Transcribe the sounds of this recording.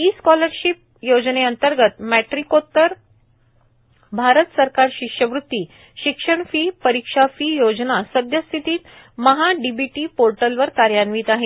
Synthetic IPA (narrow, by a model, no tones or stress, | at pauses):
iːskɔləɾɕip̚jod͡zneənt̪əɾɡət̪mæʈɾikot̪ːəɾ | bʱaɾət̪səɾkaɾɕikʂjəʋɾut̪ːiː | ɕikʂəɳfiːpəɾikʂafiːjod͡znasəd̪ʱjəst̪ʰit̪iːt̪ | məɦaɖibiʈiːpoɾʈəlʋəɾkaɾjanʋiːt̪aɦe